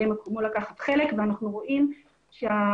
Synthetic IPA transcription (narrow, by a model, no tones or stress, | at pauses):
emekʰomulakaχat̪χelekveanaχnuʁo̞ʔim | ʃea